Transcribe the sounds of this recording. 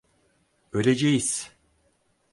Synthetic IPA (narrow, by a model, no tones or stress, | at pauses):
ølʲed͡ʒejiz̥